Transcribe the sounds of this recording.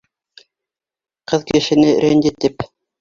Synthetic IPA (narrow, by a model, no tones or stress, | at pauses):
qɤðkɘ̆ɘ̆ʃɘ̆nɘɾʲʔenʲd̪ʲit̪ːip